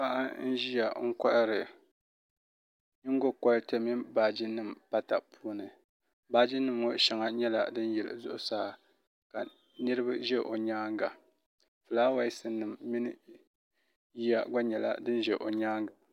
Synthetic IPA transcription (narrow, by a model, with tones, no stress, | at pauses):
pa˦ʔa˦n̩˦ʒi˦ja˨ŋ̩˦ka˦ʔɨ˦ɾɨ˨ | ɲi˦ŋ˦ɡo˦ka˦ɾte˦mi˦baː˨d͡ʒi˦nːɨ˦˨m˨pa˦ta̰˨pʰuː˦nɨ˨ | baː˦d͡ʒi˦nːɨ˦mːo˦ʃɛ˨ŋa˦ɲɛ˦la̰˨dɨ˦n˦jɛ˨lɨ̰˨zʊ˦ʔʊ˦saː˦ | ka˨ | nɨ˦ɾɨ˦ba˦ʒɛ˦ʔo˨ɲaː˦ŋɡa˨ | fɨ˨laː˦wa˦i˦sɨ˦nːɨ˨mːi˦nɨ˦ | ji˦ja˨ɡa˦ɲɛ˨la̰˦˨dɨ˦n˦ʒɛ˨ʔo˨ɲaː˦ŋɡa˨